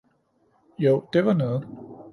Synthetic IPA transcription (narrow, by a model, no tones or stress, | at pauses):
joʊ̰d̥e̝ʋɑ̈nɔ̽ːð̩ˠ